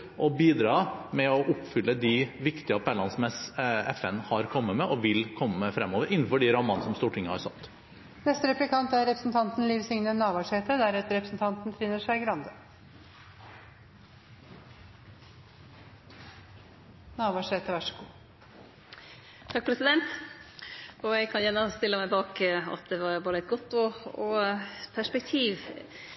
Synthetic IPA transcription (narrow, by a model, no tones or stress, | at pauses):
ʔɔbiːd̪ɾɑːmɛɔʔʊpfʏlːəd̪ɪʋɪkt̪ɪəpʰælɑnsmɛsɛ̰fɛnhɑɾkʰɔmːəmɛʔɔʋɪlkʰɔmːəːəfɾɛmːoːʋəɾʔɪnn̩fɔɖiɾɑmɑnəsɔmst̪uːʈʰɪŋːəhɑɾsɑ̰t̪ː | nɛst̪əɾɛplɪkʰɑnt̪æɾːɛpɾəsn̩t̪ʰɑnt̪n̩liːʋsʏŋnənːɑːʋɑʂeːt̪əd̪æɾɛt̪əɾɛpɾəsn̩t̪ʰɑnt̪nt̪ʰɾɪnːəʂæɪɡɾɑnd̪ə | nɑːʋɑːʂeːt̪əʋæʂɔɡuː | t̪ʰɑk̚pʰɾɛsɪd̪ɛnt̪ | ɔjæɪkʰɑnjænːəst̪ɪlːəmæɪbɑːkɑ̰t̪̚d̪ɛʋɑɾboːd̪əɛt̪̚ɡɔt̪ːɔɔpʰæʂpɛk̚t̪ʰiːʋ